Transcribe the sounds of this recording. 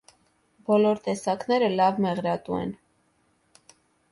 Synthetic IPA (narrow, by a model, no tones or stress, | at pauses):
bɔlɔɾt̪ɛsɑknɛɾəlɑvmɛʁɾɑt̪umɛ̰n